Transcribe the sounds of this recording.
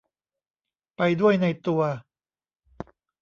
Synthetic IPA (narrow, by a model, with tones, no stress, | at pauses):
pa˧jdu˥˩əjna˧jt̪u˧ɐ